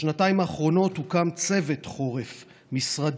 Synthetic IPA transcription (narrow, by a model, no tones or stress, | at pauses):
nataimaːχʁo̞no̞thukamt͡se̞ve̞t̪χo̞ʁef | misʁad